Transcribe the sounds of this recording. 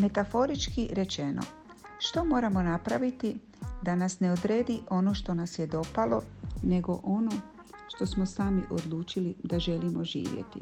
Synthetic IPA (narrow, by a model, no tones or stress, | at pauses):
me̞t̪afo̞ɾit͡ʃkiɾe̞t͡ʃe̞no̰ | ʃt̪o̞mo̞ːɾamo̞napɾaʋit̪i | d̪anasne̞od̪ɾeːd̪iʔo̞no̞ʃt̪o̞nasjed̪o̞palo̞ne̞ɡo̞ʔo̞no | ʃt̪o̞smosaːmiʔod̪lˠuːt͡ʃilid̪aʒe̞limo̞ʒḭːʋjḛt̪ḭ